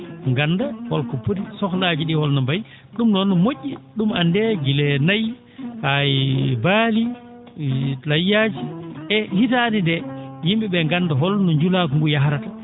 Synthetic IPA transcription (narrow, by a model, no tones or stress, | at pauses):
ŋɡanːdahɔlkɔpuɾisɔklad͡ʒiɗihɔlnɔmbaj | ɗumnɔnːɔmoʔːiɗumandɛɡilɛnaj | hajbali | lajːad͡ʒiʔɛhitanindɛjimbiɓɛŋɡandaɦɔlnɔɲd͡ʒulak̬ɔŋɡujaɦaɾata